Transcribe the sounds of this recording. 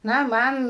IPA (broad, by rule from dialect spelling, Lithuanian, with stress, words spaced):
ˈnɐ ˈmɐn